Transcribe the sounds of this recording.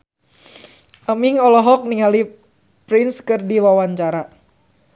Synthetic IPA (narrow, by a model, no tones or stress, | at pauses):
ʔamiŋɔlɔɦɔk̚niŋali | pɾɪnskɨrdiwawaɲt͡ʃaɾa